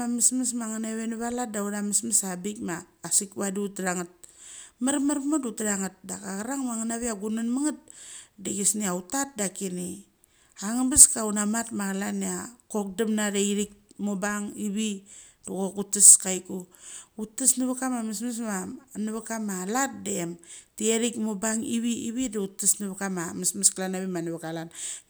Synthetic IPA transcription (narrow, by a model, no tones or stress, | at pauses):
amismis̬maŋaneβenuβalat̚dauɾamismasabikmaːsikβadiutɾaŋat̚maɾmaɾpmadutɾaŋat̚dakaɡaɾaŋmaŋanaβiaɡunanmaŋat̚deɡesniautat̚dakini | aŋabaskaunamatmaɡalaniako̞k̚damnadeiɾik̚mobaŋiβiduɡokutːiskajkuutːisnaβakamamasmas̬manaβakamalat̚deemtieɾikmobaŋiβiiβidautːisnaβakamamasmasklanaβimanaβakalan